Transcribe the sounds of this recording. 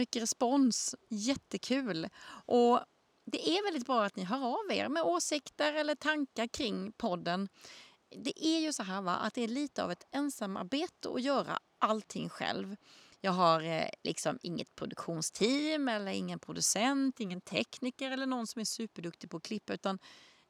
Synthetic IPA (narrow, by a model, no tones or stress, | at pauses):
ʏkːəɾɛspɔnsjɛt̪ːəkʰʉ̟ːlʔɔ | d̪ɛʔæɾvɛld̪ɪt̪̚bɾɑːat̪nɪɦœːɾavḛːɾmɛoːsɪkt̪əɾɛlːəʈʰaŋkaɾkʰɾɪŋːpʰɔd̪ːən | d̪ɛʔæɾjɵsɔɦæːɾva̰ʔa̰t̪̚d̪ɛæɭiːt̪əa̰vɛt̪ɛnsamːa̰ɾbeːt̪ə̰ɔ̰jœːɾa̰ | ʔalt̪ʰːɪŋːɧɛ̰lvjɑːɡɦaɾlʔɪ̰ksɔmɪ̰ŋːə̰t̪̚pʰɾʊd̪ɵkɧuːnst̪ʰiːmɛlːəɾɪŋːənpʰɾʊd̪ɵsɛnt̪ɪŋːənt̪ʰɛknɪkəɾɛlːəɳɔnsɔmæʂʉ̟ːpəɖɵkt̪ɪɡpʰɔkʰlɪpːaʉ̟ːt̪an